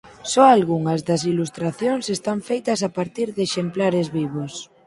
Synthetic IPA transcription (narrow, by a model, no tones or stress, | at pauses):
sɔalɣuŋɐzðɐs̬ilust̪ɾaθjoŋsest̪aɱfejt̪ɐs̬apaɾt̪iɾðeʃemplaɾezβiβ̞os